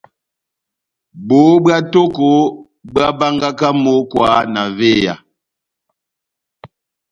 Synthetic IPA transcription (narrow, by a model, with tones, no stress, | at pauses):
bo˨˦bwa˦to˦ko˨˦ | bɰa˦ba˦ŋɡa˦ka˦mo˦kwa˨˦na˨ve˦˨ja̰˨